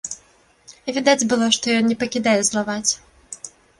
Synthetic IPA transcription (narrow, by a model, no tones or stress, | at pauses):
vʲid̪ad͡zʲbɨlˠɔʂt̪ɔjɔnnʲɛpɐkʲid̪ajɛzlˠavat͡sʲ